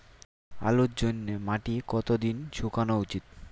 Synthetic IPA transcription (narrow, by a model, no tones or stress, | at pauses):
a̰lut̪̚d͡ʑonːemaʈikɔt̪od̪inʃʰukanout͡ɕit̪